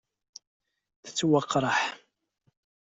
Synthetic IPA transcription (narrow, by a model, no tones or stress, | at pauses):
θə̥t͡sːwɑqːɾˤɑħ